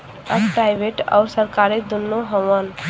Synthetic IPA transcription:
əpɾajbʱeʈa̰ʊɾsəɾkaɾed̪unːoɦəʋən

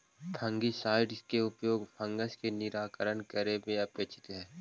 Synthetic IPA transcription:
t̪ʰə̃ŋɡisaːɪɖskeʊpjoːɡpʰə̃ŋɡəʃkenɪɾaːkəɾənkəɾemẽɐpeːt͡ʃʰɪ̥t̪ɦɛː

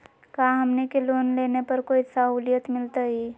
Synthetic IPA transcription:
kaːɦɐmnekeloːnleːnepɐɾkoːisaɦuːlijət̪mɪlt̪aɦiː

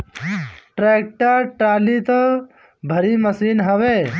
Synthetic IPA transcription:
ʈɾeːk̚ʈəɾʈaːlit̪ | bʱɐɾimɐsiːnɦɐʋeː

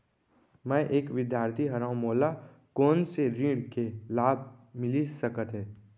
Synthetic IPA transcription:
mɛ̃ʔeːkʋɪd̪jaːɾt̪ʰiɦɐɾãːʊ̃moːla | kɔːnseɾĩːɽkelaːb̚ʱmɪlisəkət̪ɦɛ̃ː

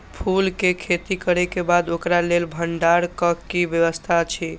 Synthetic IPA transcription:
pʰulkekʰet̪ikəɾɛkebad̪okɾalelbʱəɳɖaɾkəkibjəʋəst̪ʰat͡ʃʰi

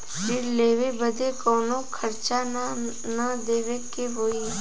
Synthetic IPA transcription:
fɪɾleːʋebəd̪ekɔːnõkʰəɾt͡ʃa | nəd̪eːʋekeɦoːi

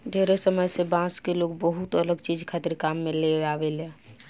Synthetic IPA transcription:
d̪ʱeɾesəməjsebãskelokbəɦut̪ələɡt͡ʃid͡ʒkʰat̪iɾkamːeleabele

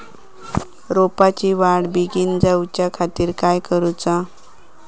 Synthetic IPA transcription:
ɾopat͡ɕiʋaɽbiɡind͡zawt͡ɕjakʰat̪iːɾkajkəɾut͡sa

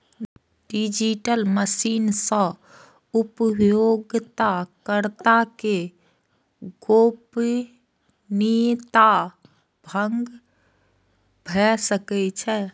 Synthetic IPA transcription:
ɖid͡ʒiʈəlməsiːnsə̃ | upjoɡt̪akəɾt̪ake | ɡop | nit̪a | bʱə̃ŋɡ | bʱɛsəkɛt͡ʃʰɛ

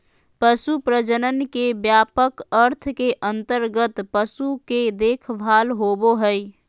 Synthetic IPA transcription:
pəsupɾəd͡ʒənənkebjaːpəkəɾt̪ʰkeʔə̃nt̪əɾɡət̪pəsuked̪eːkʰbʱaːlɦoboɦəi

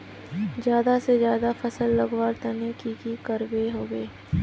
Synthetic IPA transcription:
zjaːd̪asezjaːd̪afɐsəlːɐɡwaːɾt̪ɐnekikikəɾbeɦoːɡeː

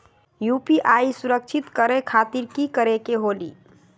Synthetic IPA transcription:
jupiʔaisuɾək̚t͡ʃʰit̪kəɾekʰat̪iɾkikəɾekeɦolḭ

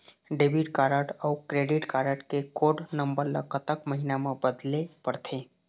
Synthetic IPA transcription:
ɖebiʈkaɾəʈəʊkɾeɖiʈkaɾəʈkekoɖnəmbəɾlə̰kət̪əkməɦinamebəd̪lepəɾt̪ʰẽ

